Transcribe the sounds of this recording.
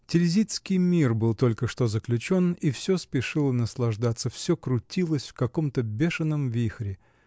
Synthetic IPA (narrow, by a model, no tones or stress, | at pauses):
tʲɪlʲzʲit̪skʲɪjmʲirbɨlˠt̪o̞lʲkəʂt̪ozəklʲʉt͡ɕo̞nifsʲospʲɪʂɨlˠənəslˠɐʐd̪at̪səfsʲokɾʊtʲilˠəsʲfkɐko̞mt̪əbʲeʂɨnːəmvʲixɾʲɪ